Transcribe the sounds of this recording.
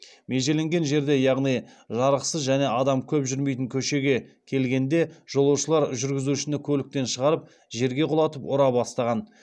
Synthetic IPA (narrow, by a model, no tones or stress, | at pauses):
me̞ʒe̞le̞ŋɡʲe̞nʒe̞ɾd̪e̞jɑʁnijʒɑɾəqsəzʒæne̞ɑd̪ɑmkʲʰɵpʒʏɾmejt̪̬ɪŋkʲʰɵʃe̞ɡʲe̞kʲʰe̞lɡʲe̞nd̪e̞ʒ̥o̞lˠɑwʃəlˠɑɾʒʏɾɡʲɪzuʃɪnɪkʲʰɵlɪk̚t̪e̞nʃəʁɑɾəp̚ | ʒe̞ɾɡʲe̞qʰolˠɑt̪əpʊɾɑbɑst̪ɑʁɑn